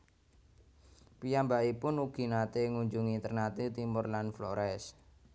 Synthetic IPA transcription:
pijambaʔipʊnuɡ̥i̤nat̪eŋuɲd͡ʒuŋint̪ərnat̪it̪imʊrlanflɔ̰ɾʔɛs

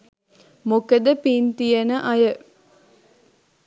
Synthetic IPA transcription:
mukəd̪əpiːnt̪ijɐnəʔɐjə

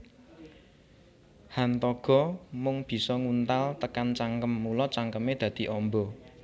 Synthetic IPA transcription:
hant̪ɔɡ̥ɔ̤mʊŋb̥i̤sɔŋunt̪alt̪əkant͡ʃaŋkəmːulɔt͡ʃaŋkəmed̪̥ä̤d̪̥i̤ʔɔmbɔ

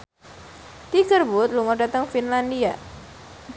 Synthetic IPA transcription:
t̪iɡərbut̪luŋɔɖat̪əŋfinlandia

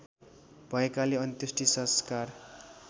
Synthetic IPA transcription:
bʱʌekaleʌnt̪jusʈisʌ̃skar

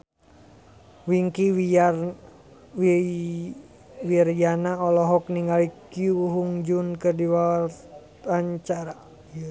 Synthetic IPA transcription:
wiŋkiwi | wirjanaɔlɔɦɔk̚niŋɡalikiuɦuŋd͡ʒunkərdiwa | aɲt͡ʃaɾa

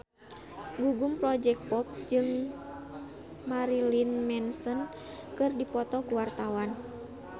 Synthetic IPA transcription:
ɡuɡumpɾɔd͡ʒɛk̚pɔp̚d͡ʒɨŋ | maɾilinmɛnsɔn | kɨrdipɔt̪ɔkuwart̪awan

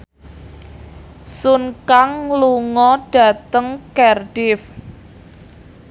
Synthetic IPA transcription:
sunkaŋluŋɔɖ̥ä̤t̪əŋkɛrɖ̥ɪf

